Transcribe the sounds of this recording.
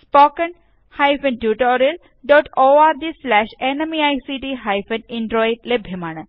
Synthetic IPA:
spoːkɐn | hajfɐnʈjuːʈoːɾiɐl | ɖɔːʈoːaːɾd̪islɛːʃenɐmiajsiʈiɦajfɐniɳɖɾoːiʈ̚lebʱjɐmaːɳə

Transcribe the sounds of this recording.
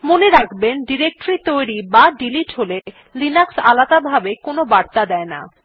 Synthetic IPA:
moneɾakʰbenɖiɾek̚ʈoɾit̪ojɾibaɖiliʈɦole | linaksa̰lad̪abʱabekonobaɾt̪ad̪ɛena̰

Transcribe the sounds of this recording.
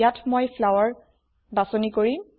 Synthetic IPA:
jatmojpʰlawaɹ | basɔnikoɹim

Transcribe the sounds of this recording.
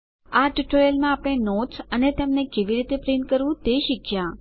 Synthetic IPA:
aʈiʈojəlmãapəɽ̃enot̪sənet̪ɛmnekeʋiɾit̪epɾinkəɾʋũt̪eʃikʰja

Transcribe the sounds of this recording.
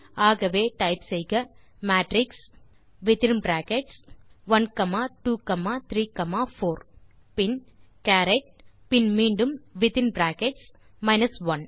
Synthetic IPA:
aːɣɐʋeːʈɐɪpsɛjɣɐmaːʈɾɪks | ʋɪt̪ɪnmbɾaːkeʈsʋɐnkɐmaːʈuːkɐmaːt̪ɾiːkɐmaːfoːɾ | pɪn | kaːɾɛʈ̚pɪnmiːɳɖɯmʋɪt̪ɪnbɾaːkeʈs | mɐɪnɐsʋɐn

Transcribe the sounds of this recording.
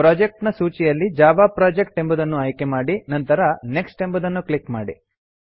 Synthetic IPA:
pɾaːd͡ʒek̚ʈnɐsuːt͡ʃijɐlːid͡ʒaːʋaːpɾaːd͡ʒek̚ʈe̞mbud̪ɐnːuɐjkemaːɽinɐnt̪ɐɾɐne̞ksʈembud̪ɐnːuklikmaːɽi

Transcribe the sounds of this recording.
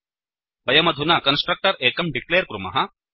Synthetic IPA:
bɐjɐmɐd̪ʱunaːkɐnsʈɾɐk̚ʈɐɾeːkɐmɖikleːɾkɾumɐ̰ɦɐ

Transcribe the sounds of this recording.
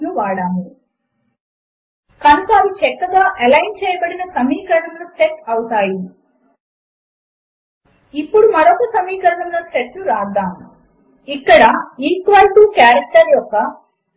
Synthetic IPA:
luʋaːɽaːmi | kɐnukɐːʋit͡ʃɛkːɐɡaːʔɐlɐjnt͡ʃɛːjɐbɐɽinɐsɐmiːkɐɾnɐmlɐseʈɐwut̪aːji | ipːuɽumɐɾɔkɐsɐmiːkɐɾɐnɐmnɐseʈluɾaːd̪ːaːmu | ikːɐɽɐiːkʋɐlʈuːkjaːɾɐk̚ʈɐɾjɔkːɐ

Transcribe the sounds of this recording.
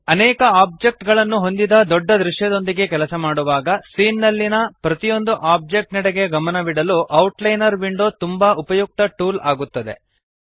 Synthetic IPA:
ɐnɛːkɐaːb̚d͡ʒek̚ʈɡɐɭɐnːuɦo̞nd̪id̪ɐd̪ɔɖːɐd̪ɾuʂjɐd̪o̞nd̪iɡe̞kɛlɐsɐmaːɽuʋaːɡɐsiːnːɐlːinɐpɾɐt̪ijo̞nd̪uʔaːb̚d͡ʒek̚ʈnɛɽeɡe̞ɡɐmɐnɐʋiɽɐluʔɐwʈlɐjnɐɾʋiɳɖo̞ːt̪umbɐʔupɐjuk̚t̪ɐʈuːlaːɡut̪ːɐd̪e̞̰

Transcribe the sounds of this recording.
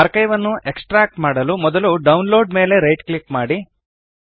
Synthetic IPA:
aɾkɐjʋɐnːuʔeksʈɾaːk̚ʈmaːɽɐlumɔd̪ɐluɖɐwnloːɖme̞ːle̞ɾɐjʈklikmaːɽi

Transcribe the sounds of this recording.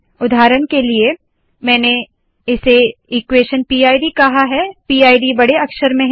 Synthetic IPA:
ʊd̪ʱaːɾəɳkelie | mɛ̃ːne | ɪseiːkweːʃənpiːaːiɖikɐɦaɦɛpiːaːiɖibɐɽ̤eɐkʃəɾmẽɦ

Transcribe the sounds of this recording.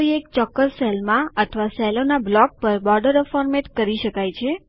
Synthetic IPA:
ɾiekt͡ʃɔkːəssɛlmãət̪ʰəʋasɛlonablɔk̚pəɾbɔɾɖəɾəfɔɾmeʈkəɾiʃəkajt͡ʃʰe

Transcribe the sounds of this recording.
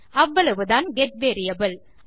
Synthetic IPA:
ɐʋːɐɭɐʋɯðaːnɡɛʈ̚ʋeːɾɪjɐbɐl

